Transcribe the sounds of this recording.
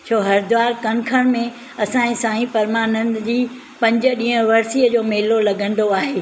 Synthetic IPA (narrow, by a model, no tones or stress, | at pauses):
t͡ɕʰoːɦɐɾd̪ʊʋaːɾkɐnkʰəɽ̃mẽ | ɐsãːĩsãːĩpɐɾmaːnənd͡ʑiː | pɐ̃ɲd͡ʑə̆ɗĩːɦə̃ʋɐɾsiːəd͡ʑoːmeːlolɐɡʱə̃nd̪oaːɦeː